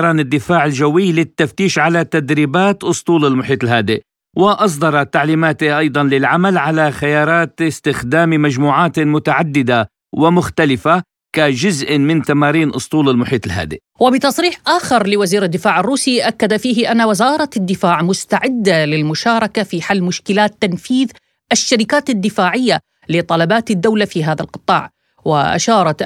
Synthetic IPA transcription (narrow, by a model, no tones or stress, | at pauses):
ɾˤɑːnɪd̪ːɪfaːʕɪld͡ʒawːɪlɪt̪ːaft̪iːʃʕalat̪ad̪ɾiːbaːt̪ʔʊsˤt̪ˤuːlɪlmʊħiːt̪ˤɪlɦaːd̪ɪʔ | wɪʔɑs̬ˤd̪ˤɑɾˤɑt̪ːaʕliːmaːt̪ɪʔɑjd̪ˤɑnlɪlʕamalʕalaxajɑːɾˤɑːt̪ɪst̪ɪxd̪aːmimad͡ʒmuːʕaːt̪mʊt̪aʕad̪ːɪd̪a | wɪmʊxt̪alɪfa | kad͡ʒʊzʔmɪnt̪amaːɾiːnʔʊ̰sˤt̪ˤuːlɪlmʊħiːt̪ˤɪlɦa̰ːd̪ɪʔ | wɪbɪt̪ɑsˤɾiːħʔaːxɪɾlɪwaziːɾad̪ːɪfaːʕɪrːuːsiʔakːad̪afiːɦɪʔanːawɪzɑːɾˤɑd̪ːɪfaːʕmʊst̪aʕɪd̪ːalɪlmʊʃɑːɾˤɑkafiħalːmʊʃkɪlaːt̪ːanfiːð | ʔaʃːaɾɪkaːt̪ad̪ːɪfaːʕɪjːa | lɪt̪ˤːɑlabaːt̪ɪd̪ːawlafiɦaːðalqɨ̥t̪ˤːɑ̰ːʕ | wɪʔa̰ʃɑːɾˤɑt̪